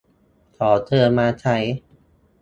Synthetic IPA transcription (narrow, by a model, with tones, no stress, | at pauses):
t̪ʰɔː˩˦t̪ʰɤː˧maː˧t͡ɕʰa˦˩j